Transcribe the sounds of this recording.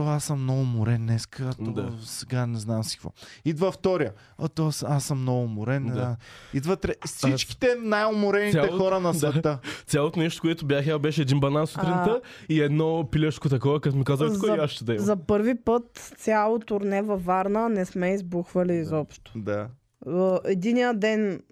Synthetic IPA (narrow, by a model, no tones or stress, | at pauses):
t̪ɔasəmːnɔɡʊmʊɾɛnːɛskʰət̪oɔsɛɡanɛznamsi̥kvɔ̰id̪vɐft̪ɔɾijə | ɐt̪ɔsasːəmːnɔɡʊmʊɾɛnid̪vət̪ɾɛssit͡ʃki̥t̪ɛnajomʊɾɛnijaɛxɔɾənɐsɛt̪ət̪sʲjalˠot̪ʊnɛʃt̪o̥koɛt̪ʊbjaxabɛʃɛːd̪inbɐnansut̪ɾint̪əiɛd̪nɔpilʲɛt͡ʃ̪kot̪̬ɐkɔvɐkat̪mikazəkoiasʃt̪ɛd̪ɐɛzɐpɤɾvipət̪sʲjalˠot̪ʊɾnɛvɐvaɾnənɛsmɛizbuxvɐliːzɔpʃt̪o̥d̪a | ɛd̪inijəd̪ɛn